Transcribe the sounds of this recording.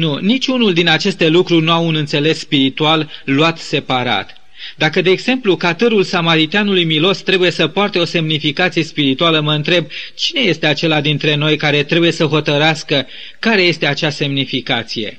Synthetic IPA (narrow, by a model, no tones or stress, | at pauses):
nunit͡ʃʲunuld̪inat͡ʃe̞st̪e̞lukɾurʲnuaunɨnt̪se̞le̞sːpiɾit̪ualːuat̪se̞paɾa̰t̪ | d̪akəd̪e̞ːɡz̥e̞mplukat̪ɨɾulsamaɾit̪eanulujmilo̞st̪ɾe̞buje̞səpoart̪eo̞se̞mnifikat̪sije̞spiɾit̪ualəməɨnt̪ɾe̞b̚t͡ʃine̞je̞st̪e̞at͡ʃe̞lad̪int̪ɾe̞no̞jkaɾe̞t̪ɾe̞buje̞səɦo̞t̪əɾeaskə | kaɾe̞je̞st̪e̞at͡ʃase̞mnifikat̪sije̞̰